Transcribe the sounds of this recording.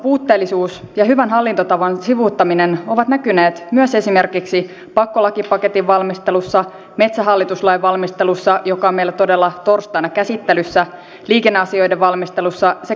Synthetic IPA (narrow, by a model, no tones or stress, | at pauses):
puːt̪ːe̞ːlːisuːsjɑɦyʋænɦɑlːint̪ot̪ɑʋɑnsiʋuːt̪ːɑmineno̞ʋɑt̪nækyneːt̪myøse̞sime̞rkiksi | pɑkːolɑkipɑke̞t̪iʋʋɑlmist̪elusːɑ | me̞t̪sæɦɑlːit̪uslɑjʋʋɑlmist̪e̞lusːɑjokɑomeilːæt̪o̞delːɑt̪orst̪ɑinɑkæsit̪ːelysːæ | liːkenːeɑsio̞jdeʋʋɑlmist̪e̞lusːɑse